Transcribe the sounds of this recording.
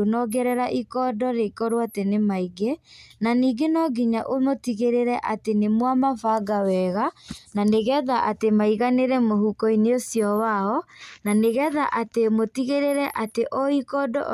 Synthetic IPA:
onɔɡɛɾɛɾaʔikɔdɔɾekɔɾoatenemaiɡenaniːɡenɔɡiɲaʔomotiɣeɾeɾɛʔatenemwamavaɡawɛɣananeɣɛðaʔatemaiɣaneɾɛmohukɔineosjɔwaɔnaneɣɛðaʔatemotiɣeɾeɾɛʔateʔɔikɔdɔ̰

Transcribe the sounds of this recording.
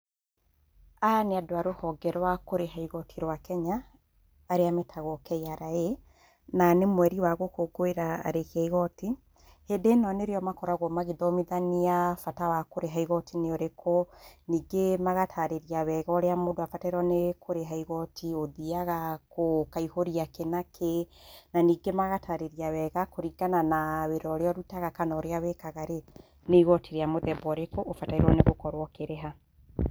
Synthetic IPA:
aneadoaɾohɔɡɛɾwakoɾeɦaiɣɔtʰiɾwakɛɲaː | ɾeametʰaɣɔkɛjaɾae | nanemwɛɾiwaɣokoɡoeɾa̰ːɾekaiɣɔti | hedenɔneɾeɔmakɔɾaɣwɔmaɣiðɔmiðaniafatawakoɾeɦaiɣɔtʰineoɾekʰɔniːɡemaɣatʰaɾeɾiawɛɣaoɾeamodoafataiɾwɔnekoɾeɦaiɣɔtʰioðiaɣakokaihoɾiakenakʰenaniːɡemaɣatʰaɾeɾiawɛɣakoɾiɡananaweɾɔɾeɔɾutaɣakanɔɾeawekaɣaɾe | neiɣɔtiɾeamoðɛbɔɾekoʔːfataiɾwɔneɣokɔɾwɔkeɾeɦa

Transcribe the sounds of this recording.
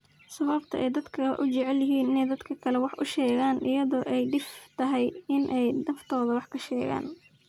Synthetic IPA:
sɐβɐbt̪ʰɐ̰ʔɛjd̪ɐd̪kʰɐ̰ʔʊt͡ʃɛʕɛljɐɦiːnɪnɛjd̪ɐd̪kʰɐkʰɐlɛwɑħʔʊ̰ʃɛːɣaːnʔɪjɐðɔːʔɛjɖɪft̪ʰɐɦɛjɪnʔɛjnɐft̪ʰɔːðɐwɑħkʰɐʃɛːɣa̰ːn

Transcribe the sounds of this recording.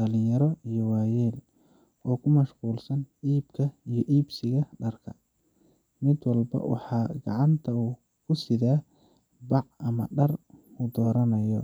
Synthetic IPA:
ɐlɪjɐɾɔijɔwaːjɛːl | ɔːkʰʊmɐʃquːlsɐniːbkʰɐijɔʔiːbsɪɣɐɖɐrkʰɐ̰ | mɪd̪wɑlbɐ̰wɑ̰ħɑːɡɑ̰ʕɑnt̪ʰɐuː | kʰʊsɪðaː | bɑʕɐmɐ̰ɖɐrud̪ɔːɾɐnɐjɔ

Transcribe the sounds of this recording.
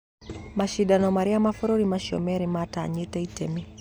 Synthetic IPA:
maʃiɗanɔmaɾiamafɔɾɔɾimaʃɔ̰mɛɾimataɲɛtɛitɛmi

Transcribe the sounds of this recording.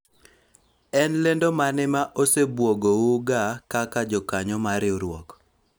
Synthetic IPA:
ɛnlendomanɪmaʔosebwoɡowuɡakakad͡ʒɔkaɲɔmaɾɪoɾwɔk

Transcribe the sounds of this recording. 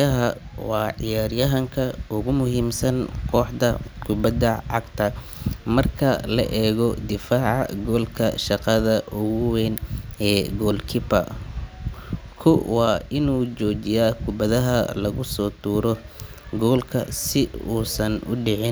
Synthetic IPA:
ɐɦɐwɑːʕɪjaːɾjɐɦɐŋkʰɐʊɣʊmʊɦiːmsɐnkʰɔːħd̪ɐkʰʊbɐd̪ɐʕɑɡt̪ʰɐ | mɐrkʰɐlɐ̰ʔɛːɣɔd̪ɪfaːʕɑ̰ɡɔːlkʰɐʃɑqɑðɐʔʊɣʊwɛnɛːɡɔːlkʰɪpɐ̰ | kʰʊwɑːɪnuːt͡ʃɔːt͡ʃɪjaːkʰʊbɐðɐɦɐlɐɣʊsɔːt̪ʰuːɾɔ | ɡɔːlkʰɐsɪuːsɐnʊ̰ɖɪʕɪn

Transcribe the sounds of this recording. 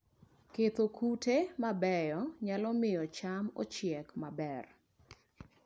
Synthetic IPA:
ket̪okutemabɛjɔɲalɔmɪjɔt͡ʃamo̰t͡ʃjɛkmabɛr

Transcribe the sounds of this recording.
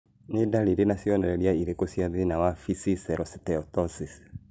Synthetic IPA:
nedaɾiɾenasiɔnɛɾɛɾiaiɾekosiaðinawafisisɛɾɔsi̥tɛɔtɔsis

